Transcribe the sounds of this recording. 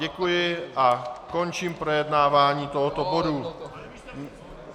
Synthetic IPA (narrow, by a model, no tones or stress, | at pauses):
ɛkujɪakɔnt͡ʃiːmpɾɛjɛd̪naːʋaːɲiːt̪ɔɦɔt̪ɔbɔd̪u